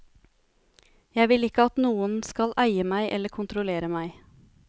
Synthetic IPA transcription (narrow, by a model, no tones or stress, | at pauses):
jæɪʋɪlɪkəɑt̪nuːənskɑlʔæɪəmæɪʔɛləkʰʊnt̪ɾʊleːɾəmæɪ